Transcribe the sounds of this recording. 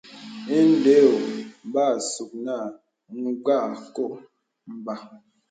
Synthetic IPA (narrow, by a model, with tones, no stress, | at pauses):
i˦n˦de˦o˨m˨ba˦˨su˨k̚na˦˨ | ŋ̩˦ɡ͡ba˦˨ko˦˨ʔ | m̩˨ba˨